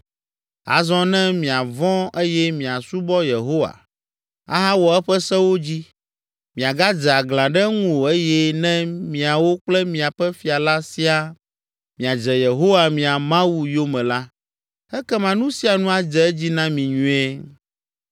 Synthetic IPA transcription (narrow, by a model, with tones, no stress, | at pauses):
a̰˨zɔ̃˦nɛ̃˦mĩ˨a˨vɔ̃˦e˦jɛ˦mĩ˨a˨su˦bɔ˦je˨ɦo˦wa̰˨ | a̰˦ɦã˦wɔ˨ɛ˦ɸɛ˦sɛ˦wo˦d͡ʑi˦ | mĩ˨a˨ɡa˦d͡ʒɛ˨a˨ɡlã˨ɖɛ˦ŋũ˦o˨e˦jɛ˦nɛ̃˦mĩ˨a˨wo˦k͡plɛ˦mĩ˨a˨ɸɛ˦fi˨a˨la˦si˦a˦ | mĩ˨a˨d͡ʒɛ˨je˨ɦo˦wa˨mĩ˨a˨mã˦wu˨jo˦mɛ̃˨la˦ | ɛ˦kɛ˦mã˨nũ˦si˦a˨nũ˦a˨d͡ʒɛ˨ɛ˦d͡ʑi˦nã˦mĩ˨ɲũ˨˦ɛ˦